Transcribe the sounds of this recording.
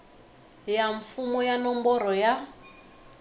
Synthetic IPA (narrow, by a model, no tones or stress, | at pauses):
jaɱfumɔjanɔmbɔɾɔja